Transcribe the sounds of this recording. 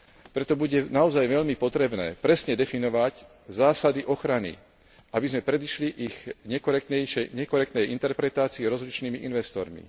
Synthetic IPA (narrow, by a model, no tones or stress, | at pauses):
pɾɛt̪ɔbuɟɛnaɔzajʋɛʎmipɔt̪ɾɛbnɛ̰ːpɾɛsɲɛd̪ɛfinɔʋac | zaːsad̪iʔɔxɾanḭ | ʔabizmɛpɾɛd̪iʃliʔiɣɲɛkɔɾɛkt̪ɛjʃɛjɲɛkɔɾɛkt̪nɛjint̪ɛɾpɾɛt̪aːt͡siɛɾɔzlit͡ʃniːmiʔinʋɛst̪ɔɾmḭ